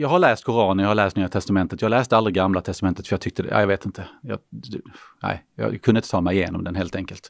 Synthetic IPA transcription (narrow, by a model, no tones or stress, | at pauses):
jɑːɡhaɭæːst̪̚kʰʊɾɑːnəɾjɑhaɭɛːst̪nyːat̪ʰɛst̪amɛnt̪ət̪jɑːhalɛːst̪əalɾɪɡamːlat̪ʰɛst̪amɛnt̪ət̪fœjɑɡ̚t̪ʏk̚t̪əd̪ɛ̰ʔæ̰ːjɑveːt̪ɪnt̪ʰəjɑ̰ː | næ̰ɪjɑ̰kʰɵnəɪt̪ət̪ʰɑːmɛɪɪjḛːnɔ̰md̪ɛnɦeːlt̪ɛŋkəlt̪